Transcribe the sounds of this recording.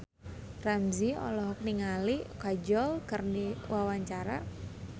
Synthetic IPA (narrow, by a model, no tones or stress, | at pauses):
ramziɔ̰lɔɦk̚niŋalikad͡ʒɔlkərniwawaɲt͡ʃaɾa̰